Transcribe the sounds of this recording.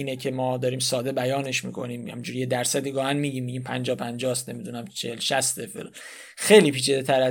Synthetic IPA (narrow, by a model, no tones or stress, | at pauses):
iːnecʰemɒːd̪ɒːɾiːmsɒːd̪e̞bæjɒːneʃmḭːkʰo̞̰niːmhæ̰mind͡ʒuːɾjed̪æɾsæd̪iːɡɒːhænmiːɟiːmːiːɟimpʰænd͡ʒɒːpʰænd͡ʒɒːst̪nemid̪unæmt͡ʃʰehelʃæst̪efḛl | xejliːpiːt͡ʃʰid̪et̪ʰæɾæ